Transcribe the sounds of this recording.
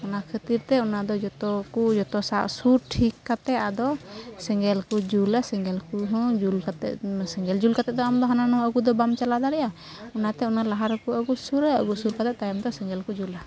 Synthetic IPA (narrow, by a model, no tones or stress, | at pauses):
ɔnakʰət̪iɾt̪ɛɔnad̪ɔd͡ʒɔt̪ɔkud͡ʒɔt̪ɔsaʔsuɾʈʰikːat̪ɛad̪ɔsɛŋɡɛlkud͡ʒulasɛŋɡɛlkuɦɔ̃d͡ʒulkat̪ɛsɛŋɡɛld͡ʒulkat̪ɛd̪ɔamd̪ɔɦananɔəɡud̪ɔbamt͡ʃalad̪aɾɛʔa | ɔnat̪ɛɔnalaɦaɾkuaɡusuɾ̰ɡusuɾkat̪ɛt̪ajamd̪ɔsɛŋɡɛlkud͡ʒula